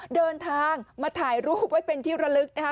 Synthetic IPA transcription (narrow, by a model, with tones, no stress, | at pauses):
dɤː˧nt̪ʰaː˧ŋmaː˧t̪ʰaː˩˦jɾuː˦˥waː˦˥˩jpe˧nt̪ʰiː˥˩ɾa˧lɯ˦˥k̚na˦˥kʰa˦˥